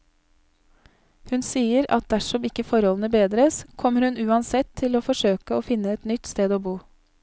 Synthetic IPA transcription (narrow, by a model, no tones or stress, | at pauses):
hʉnsiːəɾɑ̰t̪̚d̪æʂɔmɪkːəfɔɾhɔln̩əbeːd̪ɾəskʰɔmːəɾhʉnʉːɑnsɛt̪ʰːɪloːfɔʂøːkəoːfɪnːəɛt̪nʏt̪st̪eːd̪oːbuː